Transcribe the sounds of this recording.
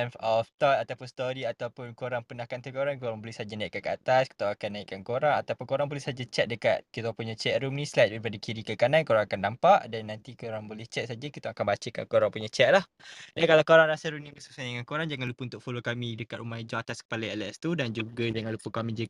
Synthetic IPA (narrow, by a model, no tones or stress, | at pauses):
ɛnfɔft̪ɔt̪at̪awpʊnst̪oɾiat̪awpʊnkoɾaŋpənahkant̪ukoɾaŋkoɾaŋbolɛhsad͡ʒanaiʔkaʔ̚kəat̪aski̥t̪awakanːaikankoɾaŋat̪awpʊnkoɾaŋbolɛhsad͡ʒat͡ʃɛt̪̚dəka̰t̪̚kit̪apuɲat͡ʃɛʔ̪̚ɾumnĩslajt̪̚bɾipadakiɾikəkanankoɾaŋakandampaʔdanːant̪ikoɾaŋbolɛht͡ʃɛt̪̚sad͡ʒakit̪aakanbat͡ʃəka̰nkoɾaŋpuɲat͡ʃɛʔ̪̚lah | dankalawkoɾaŋɾasaɾumnĩbəsuksadəŋankoɾaŋd͡ʒaŋanlupəunt̪ʊʔfolokamĩdəkat̪ɾumaid͡ʒaat̪askə̥paləɛlɛst̪udand͡ʒuɡad͡ʒaŋanlupəkamĩd͡ʒə